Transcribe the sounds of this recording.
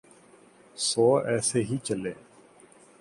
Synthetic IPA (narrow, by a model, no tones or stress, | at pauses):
sɔːɛːseːɦiːt͡ʃəlẽː